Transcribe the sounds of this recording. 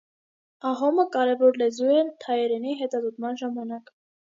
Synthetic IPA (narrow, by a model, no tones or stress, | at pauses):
ɑɦɔməkɑɾɛvɔɾlɛzuɛt̪ʰɑjɛɾɛniɦɛt̪ɑzɔt̪mɑnʒɑmɑnɑk